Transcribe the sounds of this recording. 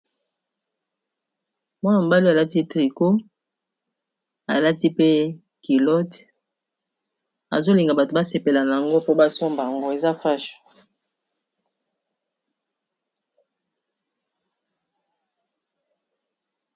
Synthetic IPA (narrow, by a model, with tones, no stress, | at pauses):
mɔ˦nɔ˨m˨ba˦li˦a˨la˦ti˦tʁi˨ko˦ | a̰˨la˦ti˦pe˦ | ki˨lɔ˦t | a̰˨zo˦li˨ŋɡa˨ba˨to˨ba˦se˨pe˨la˨na˨a˨ŋɡo˦po˦ba˦so˦mba˨a˨ŋɡo˦e˨za˦fa˦ʃ